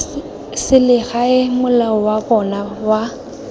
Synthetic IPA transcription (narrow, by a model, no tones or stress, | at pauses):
sɪlɪɣaɪmʊlaɔwabɔnawa